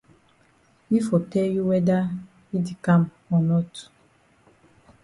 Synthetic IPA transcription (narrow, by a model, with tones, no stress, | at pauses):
i˦fɔ˨tɛ˦lju˦wɛ˦da˦ | i˦de˨kã˦m | ɔ˨nɔ˦tu̥˨